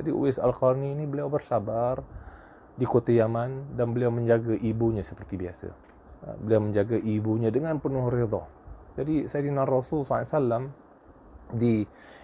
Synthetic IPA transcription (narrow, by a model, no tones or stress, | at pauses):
d͡ʒadiʔṵɪsa̰lkarniːnibəliawbərsabar | dikot̪ajamandanbəliawməɲd͡ʒaɡaʔibuɲasəpərt̪ibiasə̰ | bəliawməɲd͡ʒaɡaʔibuɲadəŋanpənuɦɾed̪ɔ̰d͡ʒadisadinarɔsulsaasalam | di